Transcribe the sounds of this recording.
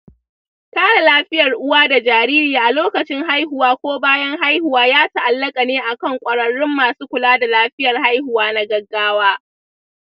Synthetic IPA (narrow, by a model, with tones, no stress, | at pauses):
taː˦ɽa˨laː˦ɸɪ˦jɐ˨rʔʊ˦waː˦da˨d͡ʒaː˨ɾiː˦ɾiː˨ʔa˨loː˦kɐ˨t͡ʃɪ˦ŋɦa˦jhʊ˨waː˦kʷoː˦baː˦jɐ˦ŋɦa˦jhʊ˨waː˦jaː˦ta˨ʔa˨lːɐ˦kʼa˨neː˦ʔa˨kɐ˦˨ŋkʷʼɐ˨ɽɐ˨ɽɪ˦mːaː˨suː˦kʷʊ˨laː˦da˨laː˦ɸɪ˦jɐ˨rɦa˦jhʊ˨waː˦na˦ɡɐ˦ɡːaː˦waː˦